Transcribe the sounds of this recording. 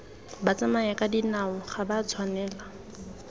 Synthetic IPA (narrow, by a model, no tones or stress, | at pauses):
bat͡sʼamaɛkʼadinaʊχabat͡sʰwanɛːla